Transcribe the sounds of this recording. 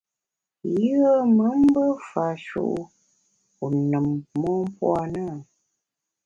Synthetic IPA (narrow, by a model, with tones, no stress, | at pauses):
jə˦ə˦mə˨˦m̩˦bə˦fa˨ʃṵ˨ʔ | u˨nə˨mːɔ˦m˦pwa˦˨nə˦˨